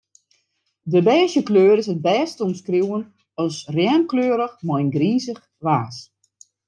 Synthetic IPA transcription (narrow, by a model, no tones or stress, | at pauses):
dəbɛːʃjəkløːɾɪsəd̚bɛːstomskruwən | ɔsrjɛːnkløːɾəxmɔjnɡriːzəx | ʋaːs